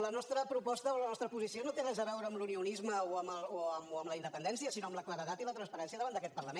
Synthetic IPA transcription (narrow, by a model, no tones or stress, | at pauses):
lənɔst̪ɾəpɾupɔst̪əolənɔst̪ɾəpuzisionot̪enəzəβɛwɾəːmluniunizməoəməlˠoəməmləinəpənɛnsiəsinoəmləkləɾəðat̪ilət̪ɾənspəɾɛnsiəðəβand̪əkɛt̪pərləmen